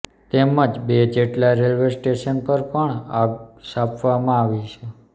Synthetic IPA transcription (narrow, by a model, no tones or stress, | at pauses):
t̪eməd͡ʒbed͡ʒeʈlaɾelʋesʈeʃənpəɾpəɳaɡsapʰʋamãaʋiʃʰe